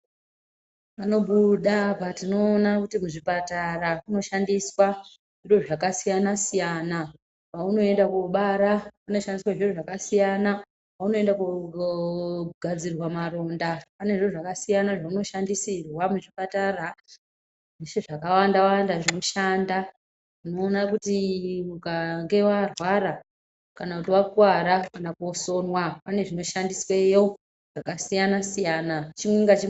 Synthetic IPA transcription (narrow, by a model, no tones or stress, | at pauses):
pano̞ɓuɗapatino̞ːnakutimuʐipatarakuno̞ʃandiswa | ʐiroʐakasijanasijana | pauno̞e̞ndakuɓaɾakuno̞ʃandiswaʐiroʐakasijana | pauno̞endaku | ɡʱad͡zirwamaro̞ndapane̞ʐiroʐakasijanaʐauno̞ʃandisirwamuʐipatara | ʐeʂeʐakawandawaandaʐino̞ʃaːnda | uno̞ːnakutiukaŋɡe̞warwaɾa | kanakutiwakwaɾakanakoso̞nwapane̞ʐino̞ʃandiswejo | ʐ̥akasijanasijaːnat͡ʃimweŋɡat͡ʃi